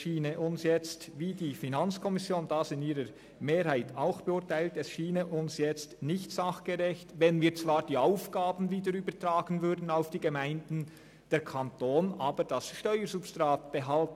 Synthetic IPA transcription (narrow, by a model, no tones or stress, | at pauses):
ʃiːnəʔʊnsjɛt͡stviːdiːfinant͡skʰɔmɪsjoːnd̥asɪniːɾəɾ | meːɾhaɪtʰaʊxb̥ɛʊtaɪltɛsʃiːnəʔʊnsjɛt͡stnɪçtsaχɡ̥əʁɛçtvɛnviːt͡sv̥aːɾd̥iːaʊfɡ̥aːbn̩viːdəɾyːbətraːɡən̩vʏɾdn̩aʊfd̥iːɡɛmaɪndn̩ | d̥ɛɾkʰantoːnʔaːbəd̥asʃtœʏəɾzupstʁaːt̚b̥ɛɦalt